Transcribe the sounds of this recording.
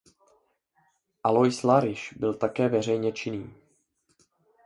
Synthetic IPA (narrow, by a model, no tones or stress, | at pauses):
ʔalojslaɾɪʃbɪlt̪akɛːvɛr̝ɛjɲɛt͡ʃɪniː